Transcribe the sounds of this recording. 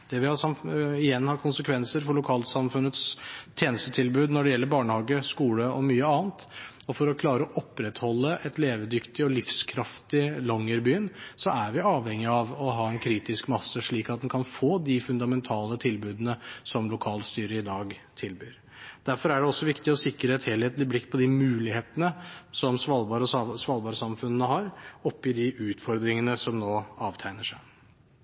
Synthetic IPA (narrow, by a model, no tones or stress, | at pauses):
d̪̥ɛʋɪhɑsɑmɪjɛnːhɑɾkʰʊnsəkʰʋɛnsəɾfɔɭʊkʰɑːlt̪sɑmfʉnət̪st̪ʰjeːnəst̪ət̪ʰɪlbʉːd̪nɔɖɛjɛlːəɾbɑːɳəhɑːɡəskuːləɔmyːəɑːnt̪ɔfɔɾɔkʰlɑːɾəɔʔɔpɾɛt̪hɔlːəʔɛt̪leːʋəd̪ʏkt̪ɪɔlɪfskʰɾɑft̪ɪlɔŋːəɾbyːənsɔæɾʋɪɑːʋhɛŋːɪɑʋɔɦɑːɛnkʰɾiːt̪ɪskmɑsːəʂɭiːkɑt̪̚d̪ɛnkʰɑnfoːd̪ɪfʉnd̪ɑmɛnt̪ʰɑːlət̪ʰɪlbʉːd̪nəsɔmlʊkʰɑːlst̪yːɾəɪd̪ɑːɡt̪ʰɪlbyːɾ | d̪̥æɾfɔɾæɖɛɔsːɔʋɪkt̪ɪɔsɪkːɾəɛt̪heːlheːt̪lɪblɪkːpʰɔd̪ɪmʉːlɪheːt̪ənəsɔmsʋɑlbɑːɾsʋɑlbɑːɾəsɑmfʉnənəhɑɾɔpːɪd̪ɪʔʉːt̪fɔɾd̪ɾɪŋənəsɔmnoːɑːʋt̪ʰæɪnəʂæɪ